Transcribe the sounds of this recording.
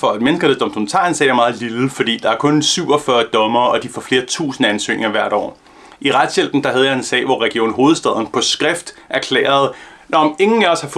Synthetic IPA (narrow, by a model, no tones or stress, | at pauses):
fɒ̽æd̥menəsɡ̥ɐlesd̥ɒ̽mstʰo̰mnt͡sʰɑ̈ensɛ̰æɐmɑ̈ːð̞̩ˠliləfɒd̥ḭːd̥ɑ̈æɐkʰɔ̽nsyʊ̰ɒ̽fɶɐd̥ɒ̽mɐːʔɒ̽d̥ifɒfle̝ːɐt͡sʰṵːsn̩əænsø̰ːnʔe̝ŋɐʋæɐ̰ɾ̥ɒ̰ː | iʁad̥sjel̰b̥n̩d̥ɑ̈ɦæð̞ˠjɑ̈e̝nsɛ̰ːʋɒʁɛɡ̥io̝̰ːn̩ɦo̝ːð̞̩ˠsd̥ɛðˠn̩pʰɒ̽sɡ̥ʁɛfd̥ʔæɐkʰlɛ̰ːɐð̞̩ˠ | nɒme̝ŋn̩æɐshɑ̈f